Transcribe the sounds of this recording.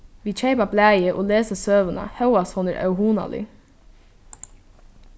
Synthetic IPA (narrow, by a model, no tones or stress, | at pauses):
ʋiːc͡çeɪpɑblæːjəʔoːleːsəsøːʋənɑ̰hɑʊɑshɔnə̰ɾʔɑ̰ʉhuːnɑ̰lḭː